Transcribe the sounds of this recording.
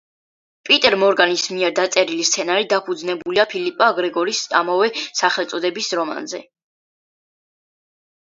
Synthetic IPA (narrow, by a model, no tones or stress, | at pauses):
pʼit̪ʼɛɾmɔɾɡanismiɛɾd̪at̪sʼɛɾilist̪sʰɛnaɾid̪apʰud̪znɛbuliapʰilipʼaːɡɾɛɡɔɾisa̰mavɛːaχɛlˠt̪sʼɔd̪ɛbisɾɔma̰nzɛ